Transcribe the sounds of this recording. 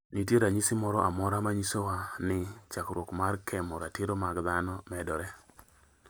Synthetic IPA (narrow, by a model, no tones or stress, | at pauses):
nit̬jeɾaɲisimɔɾɔʔamɔɾamaɲisowanɪt͡ʃakɾwokmaɾkʰɛmɔɾatɪɾomaɡðanɔmɛdɔɾɛ